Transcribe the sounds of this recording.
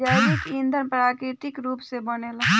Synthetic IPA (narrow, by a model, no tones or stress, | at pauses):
aikind̪ʱənpɾaːkɾɪt̪ɪkɾuːpsebənela